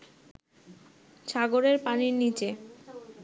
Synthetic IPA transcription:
ʃʰaɡoɾeɾpaniɾnit͡ɕe

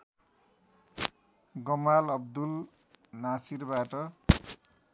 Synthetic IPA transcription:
ɡʌmalʌbd̪ul | nasirbaʈʌ

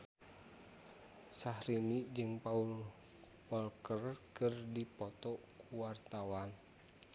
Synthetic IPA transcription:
sahɾinid͡ʒɨŋpaul | pɔlkərkɨrdipɔt̪ɔkʰuwart̪awan

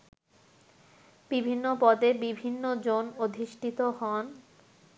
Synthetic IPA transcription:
b̥ibʱinːopɔd̪ebibʱinːod͡ʑonod̪ʱiʃʈʰit̪oɦɔn

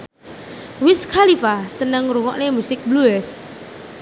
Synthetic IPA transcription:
wɪskʰalifasənəŋɾuŋɔ̰ʔnemusɪk̚bluɛs

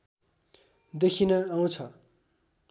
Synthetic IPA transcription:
d̪ekʰinʌaũt͡sʰʌ

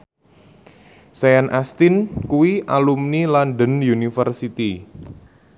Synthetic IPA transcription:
sajanʔast̪ɪnkuwiʔalumnilanɖənjunifərsit̪i

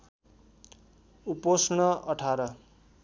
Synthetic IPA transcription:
uposnʌʌʈʰaɾʌ

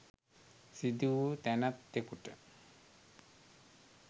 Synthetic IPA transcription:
sid̪ut̪ɛnat̪̚ːekuʈa

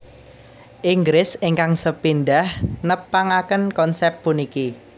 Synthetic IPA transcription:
ʔiŋɡɾɪsɪŋkaŋsəpinɖahnəpaŋakənkɔnsɛp̚puniki

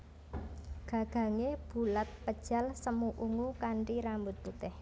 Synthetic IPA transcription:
ɡ̥ä̤ɡ̥ä̤ŋeb̥ṳlat̪̚pəd̥ʒ̥a̤lsəmuʔuŋukaɳʈiɾambʊt̪̚put̪ɪh

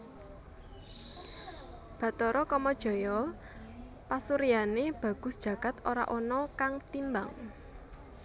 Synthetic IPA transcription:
b̥ä̤t̪ɔɾɔkɔmɔd̥ʒ̥ɔ̤jɔ | pasuɾijaneb̥ä̤ɡ̥ʊ̤sd̥ʒ̥ä̤ɡ̥a̤t̪oɾa̰ʔɔnɔkaŋt̪imba̰ŋ

